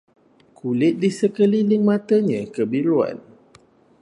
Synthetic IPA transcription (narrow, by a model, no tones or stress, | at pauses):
kʰulɪt̪̚disəkəlilɪŋmãt̪əɲə̃kəbiɾua̰n